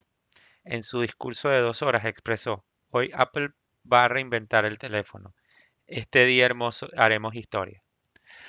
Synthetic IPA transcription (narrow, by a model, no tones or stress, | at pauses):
e̞nsuð̞iskṵɾso̞ð̞e̞ðoso̞ɾase̞kspɾe̞so̞ | o̞japl | baːre̞imbẽ̞nt̪aɾe̞lt̪e̞le̞fo̞no̞̰ | e̞st̪e̞ðiamosoaɾe̞mo̞s̬ist̪o̞̰ɾja